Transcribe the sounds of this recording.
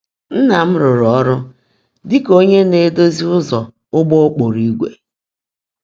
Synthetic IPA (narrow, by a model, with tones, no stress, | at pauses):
n̩˦na˨m̩˦ɾʊ˨ɾɔ˨˦ɾʊ˦ | dɪ˦ko˦ɲe˦ne˦do˦zi˦ʊ˦zɔ˨ | ʊ˦ɡ͡bo˦o˦k͡po˨ɾi˦ɡʷḛ˨